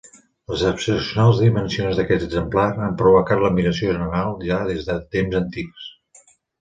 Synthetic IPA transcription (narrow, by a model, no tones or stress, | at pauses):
ləzəpsəsjunalˠzðimənsionzðəkɛt̪əɡzəmplaɾampɾuβukat̪ləmiləsioʒənənalˠʒaðezðət̪emzənt̪iks